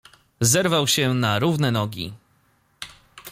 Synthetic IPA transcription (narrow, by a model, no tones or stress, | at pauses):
zɛɾvawɕɛnaɾuvnɛnɔɡʲḭ